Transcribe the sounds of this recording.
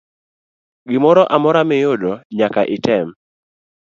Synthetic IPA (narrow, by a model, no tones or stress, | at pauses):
ɡɪmɔɾɔʔamɔɾamɪjodɔɲakaʔɪtɛm